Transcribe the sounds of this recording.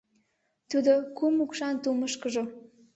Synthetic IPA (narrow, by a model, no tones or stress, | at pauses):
t̪ud̪okumukʃɑnt̪uməʃkəʒo